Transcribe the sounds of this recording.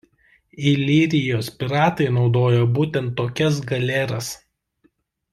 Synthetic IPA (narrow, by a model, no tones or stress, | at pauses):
iːlʲiːɾʲɪjoːspʲɪɾɑːt̪ɐɪnɒʊd̪oːjobuːt̪ʲɛnt̪ːoːkʲɛs̬ɡɐlʲɛɾɐs